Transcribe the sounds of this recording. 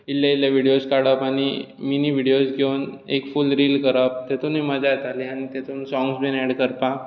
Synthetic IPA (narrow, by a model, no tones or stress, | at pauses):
ilːjailjaʋiɽijoskaɽəpaɽ̃i | miniʋiɽiosɡʱewn | ekfulɾilkəɾəp̚t̪et̪uniməd͡ʑat̪aliaɽ̃it̪et̪uːnsɔ̃ŋɡsbenɛɽkəɾpa